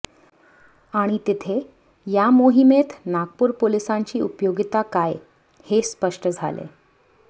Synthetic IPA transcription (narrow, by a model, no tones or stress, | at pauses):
aɽ̃it̪it̪ʰe | jamoɦimet̪naɡ̚puɾpolisaɲt͡ɕiːupjoɡit̪akaj | hespəʂʈəd͡zʱa̰lḛ